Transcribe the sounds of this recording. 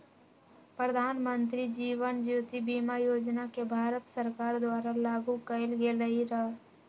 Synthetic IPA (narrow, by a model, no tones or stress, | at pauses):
pɾəd̪ʱaːnmənt̪ɾid͡ʒiːʋənd͡ʒuːt̪ibiːmajoːd͡ʒnakebʱaːɾət̪səɾkaːɾd̪waːɾalaːɡukəɪlɡeləiɾɐ